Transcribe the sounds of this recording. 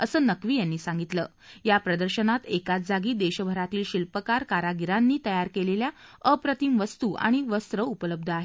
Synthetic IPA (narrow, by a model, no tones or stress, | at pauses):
əsəːnəkʋiːjanːiːsaŋɡit̪lə̰ː | japɾəd̪əɾɕənat̪ekat͡sd͡zaɡiːd̪eɕəbʱəɾat̪iːlɕilpəkaɾkaɾaɡiɾanːiːt̪əjaɾkeleljaəpɾət̪imʋəst̪uːʔã̰iʋəst̪ɾəupələb̚d̪ʱaɦe